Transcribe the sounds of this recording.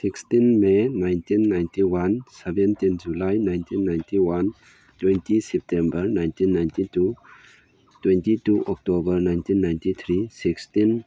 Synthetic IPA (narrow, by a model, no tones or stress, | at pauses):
sikstinmenajntinːajntiwansebentind͡ʒulajnajntʰinːajntiwan | twentʰisɛp̚tembɐɾnajntinːajntitu | twentituʔɔk̚tobɐɾnajntinːajntit̪ʰɾisikstin